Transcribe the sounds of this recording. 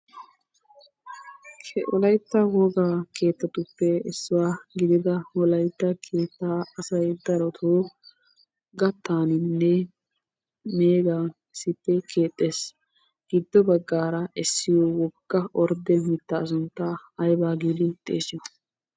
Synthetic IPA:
kʰɛɔlɐjt̪ːɐwɔːɡaːkʰe̞ːt̪ːɐt̪ʊpːɛɛsːʊwaːɡɪd̪ɪd̪ɐɔlɐjt̪ːɐkʰeːt̪ːaːɐsɐjd̪ɐɾɔt̪ʰoː | ɡɐt̪ːaːnɪnːɛ | me̞ːɡa | ɪsɪpːɛkʰe̞ːt̪ʼːeːs | ɡ̥ɪd̪ːɔbɐɡːaːɾɐʔɛsːɪjɔwɔɡːɐʔɔɾd̪ɛmɪt̪ːɐːs̬ʊnt̪ːaɐjbaːɡiːd̪ɪt̪ʼḛːsɪnɐ̥

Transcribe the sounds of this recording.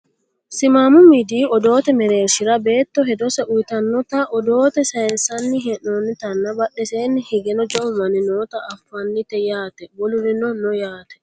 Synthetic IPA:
sɪmaːmʊmid̪iːɔd̪o̞ːt̪ɛmɛɾe̞ːɾʃɪɾɐbe̞ːt̪ːɔɦɛd̪ɔsɛʔʊjt̪ɐnːɔt̪ɐʔɔd̪o̞ːt̪ɛsɐɛnsɐnːɪɦɛnːonːɪt̪ɐnːɐbɐɗːɛseːnːɪhɪɡɛnɔd͡ʒɔʊmɐnɪnoːt̪ɐːfːɐnːɪt̪ɛjaːt̪ɛwɔlʊɾɪnɔnɔjaːt̪ɛ̥

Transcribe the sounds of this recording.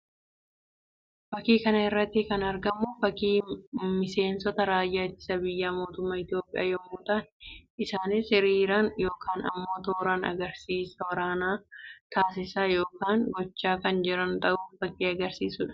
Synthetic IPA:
fɐkiːkɐnɐɪrːɐt̪ːɪkɐnɐɾɡɐmːoːfɐkiːmɪse̞ːnsɔt̪ɐɾaːjːaːt̪ːɪ̥sɐbɪjːaːmo̞ːt̪ʊmːɐɪt̪ɪjo̞ːpʼɪ̰ja̰ːjɐmːuːt̪ɐnɪsaːnɪsɪɾiːɾanjo̞ːkʰaːnɐ̰mːo̞ːt̪oːɾanɐ̰ɡɐɾsiːsɐwɐɾaːnaːt̪aːs̬ɪsaːjo̞ːkaːŋɡɔt͡ʃːaːkɐnd͡ʒɪɾɐnt̪ɐʔuːffɐkʼːiːɐɡɐɾsiːsʊᶑɐ̥

